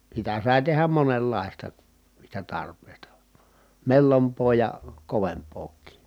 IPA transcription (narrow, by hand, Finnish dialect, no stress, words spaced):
sitæ sɑˑi̯ tehæm monelːɑˑistɑ niːstæ tɑrpˑeˑi̯stɑ melːompˑoː jɑ koʋempˑoːkˑiː